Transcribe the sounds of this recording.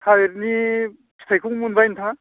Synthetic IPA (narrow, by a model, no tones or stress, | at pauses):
hajɾni | sʰi̥tʰajkʰuŋmunbajnt̪ʰa